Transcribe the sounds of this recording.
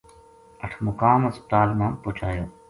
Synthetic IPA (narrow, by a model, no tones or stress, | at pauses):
ɐʈʰmʊkaːmɐspt̪aːlmãːmpot͡ʃʰaːjoː